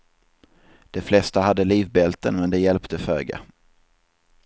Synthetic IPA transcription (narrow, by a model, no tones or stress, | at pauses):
d̪̥ɛflɛst̪aɦad̪ːəliːvbɛlt̪ənmɛnd̪ɛjɛlpt̪ʰəføːɡa̰